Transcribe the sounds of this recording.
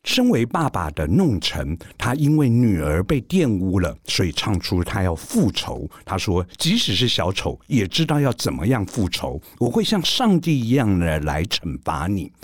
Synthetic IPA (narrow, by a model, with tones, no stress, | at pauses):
ʂə˥ŋwe˧˥ɪpa˥˩ba̰˨˩d̪ə˦nʊ˥˩ŋʈ͡ʂʰə̰˧˥ŋt̪ʰa˥i˥nwe˥˩ɪny˨˩ə˞˧˥pe˥˧ɪt̪jɛ˥˧nu˥lə̰˨swɔ˧˥i˨˩ʈ͡ʂʰɑ˥˩ŋʈ͡ʂʰu˥t̪ʰa˥jɑ˥˧ʊfu˥˩ʈ͡ʂʰo̰˧˥ʊt̪ʰa˥ʂwɔ˥t͡ɕi˧˥ʂɻ̩˨˩ʂɻ̩˥˩ɕjɑ˧˥ʊʈ͡ʂʰo˧˥ʊjɛ˨˩ʈ͡ʂɻ̩˥t̪ɑ˥˧ʊjɑ˥˩ʊt͡sə˨˩nmə̰˦jɑ˥˧ŋfu˥˩ʈ͡ʂʰo̰˧˥ʊ | wɔ˨˩xwe˥˧ɪɕjɑ˥˧ŋʂɑ˥˧ŋt̪i˥˩i˧˥jɑ˥˩ŋə˧˨la̰˧˥ɪʈ͡ʂʰə˨˥nfa̰˧˥ni˨˩˦